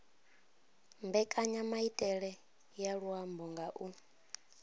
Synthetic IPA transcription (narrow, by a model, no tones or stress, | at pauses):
mbɛkʼaɲamaitʼɛɺɛ | jaɺuambɔŋɡaʔu